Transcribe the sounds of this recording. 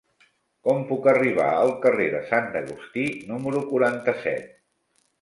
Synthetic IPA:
kɔmpukəriβ̞a̰əlˠkəreðəsand̪əɣust̪inuməɾukuɾant̪əsɛ̰t̪̚

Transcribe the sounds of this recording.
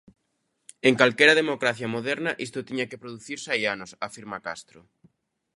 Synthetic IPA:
eŋkalkeɾaðemokɾaθjamoðɛɾnaʔist̪ot̪iɲakepɾoðuθiɾsajanosafiɾmakast̪ɾo

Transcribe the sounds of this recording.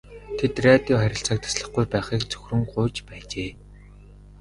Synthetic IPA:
t̪ʰet̪rʲat̪iːŋχæɾʲɪ̆ɬt͡săːk̚t̪ʰḁsɮə̆χɡujpæːχiːkt͡sɵ̥xʲrɵ̆ŋɢʊːt͡ɕpæːt͡ɕeː

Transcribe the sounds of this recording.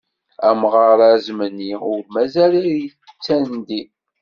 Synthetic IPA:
æmʁɑɾˤæzmənːiʊɾmæzæɾij | t͡sːænnd̪i

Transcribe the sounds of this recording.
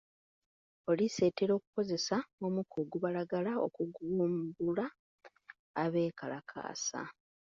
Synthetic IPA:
o̞lise̞ːteɾo̞ːku̥ko̞ze̞saomukʰoɡuβalaɡalao̰kuɡuːmbulaː | βe̞ːkalakʰa̰ːsa̰

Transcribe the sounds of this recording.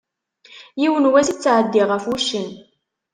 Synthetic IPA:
jiwənwæsit͡sːʕəd̪ːiʁəfwuʃːən

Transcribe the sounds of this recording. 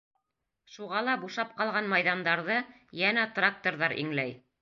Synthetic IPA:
ʃuʁɑlˠɑbuʃɑp̚qɑlˠʁɑnmɑjðɑnd̪ɑɾðɤ | jænæt̪rak̚t̪oɾðɑɾʔḭŋlæj

